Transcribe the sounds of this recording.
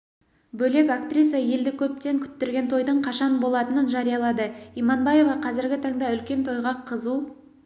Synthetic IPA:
bɵle̞kak̚t̪rʲijsɑje̞ld̪ɪkʲʰɵp̚t̪e̞ŋkʲʰʏ̥t̪ːeɾɡʲe̞nt̪ʰo̞jd̪əɴqʰɑʃɑnbo̞lˠɑt̪ənənʒɑɾijɑlˠɑd̪əijmɑnbɑje̞vɑqʰɑzɪɾɡʲɪt̪ʰɑŋd̪ɑʏlkʲe̞nt̪ʰo̞jʁɑqʰəzu

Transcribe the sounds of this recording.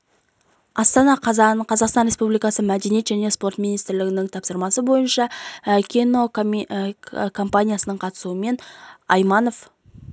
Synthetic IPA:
ɑst̪ɑnɑqqʰɑzɑqst̪ɑnɾespublijkɑsəmæd̪e̞nijet̪ʒæne̞spo̞rt̪minijst̪ɾlɪɡʲɪnɪŋt̪ʰɑpsəɾmɑsəbo̞jənʃɑkʲʰino̞ | kʰo̞mpanʲijasənəɴqʰɑt̪ə̥suəme̞nɑjmɑno̞f

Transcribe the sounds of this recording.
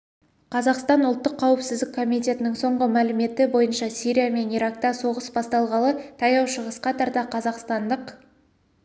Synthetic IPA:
qʰɑzɑqst̪ɑnʊlˠt̪ːəqʰːɑwɪpsɪzd̪ɪkʰːo̞mijt̪e̞t̪ɪnɪŋso̞ɴʁəmælɪme̞t̪ɪbo̞jənʃɑsijɾʲijame̞niɾɑkt̪ɑso̞ʁəsbɑst̪ɑlˠʁɑlˠət̪ʰɑjɑwʃəʁəsqɑt̪ʰɑɾt̪ɑqʰɑzɑqst̪ɑnd̪əq

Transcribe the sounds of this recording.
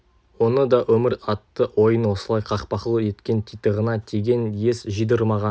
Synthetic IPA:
wo̞nəd̪ɑʔɵmɪɾɑt̪ːəwo̞jənwo̞səlˠɑjqʰɑqpɑqəlˠəe̞t̪kʲe̞nt̪ʰijt̪əʁənɑt̪ʰeɡʲe̞nje̞sʒijd̪əɾmɑʁɑ

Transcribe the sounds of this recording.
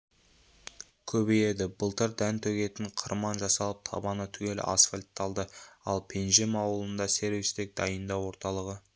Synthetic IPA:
kʲʰɵbeje̞d̪ɪbəlˠt̪əɾd̪ænt̪ʰɵɡʲe̞t̪ɪɴqʰəɾmɑnʒɑsɑlˠəp̚t̪ʰɑ̰bɑnət̪ʰʏɡʲe̞lɪ̰ʔa̰sfalʲt̪ːɑlˠd̪əɑlˠpʰe̞nʒɪmɑwəlˠənd̪ɑse̞ɾvist̪ɪk̚d̪̥ɑjənd̪ɑwo̞ɾt̪ɑlˠəʁə

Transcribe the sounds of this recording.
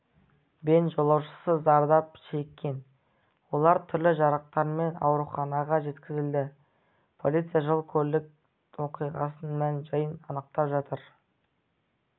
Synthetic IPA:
be̞nʒo̞lˠɑwʃə̥səzɑɾd̪ɑpʃe̞kʲːe̞n | wo̞lˠɑɾt̪ʰʏɾlɪʒɑɾəq̚t̪ɑɾme̞nɑ̰wɾuχɑnɑʁɑʒe̞t̪kʲɪzɪld̪ɪ | pʰo̞lit̪sijaʒəlˠkʲʰɵɾlɪk̚ | wo̞qijʁɑ̰sənmænʒəjənɑnəq̚t̪ɑpʒɑt̪əɾ

